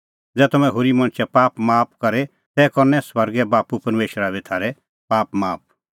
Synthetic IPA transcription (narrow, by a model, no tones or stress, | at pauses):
d͡zɛːt̪ɐmɛ̃ɦoːɾimɐ̃ñt͡ʃʰɛpaːpmaːp̚kɐɾe | t̪ɛkɔɾnɛsʋɐɾɡɛbaːpupɐɾmeːʃəɾabit̪ʰaːɾɛ | paːpmaːp̚